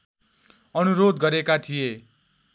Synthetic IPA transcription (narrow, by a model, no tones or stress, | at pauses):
ʌnuɾod̪ɡʌɾekat̪ʰije